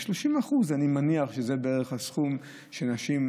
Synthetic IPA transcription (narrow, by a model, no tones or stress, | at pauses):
ʃloʃimaχuzanimaniaχʃeze̞beeʁeχhasχum | ʃenaʃim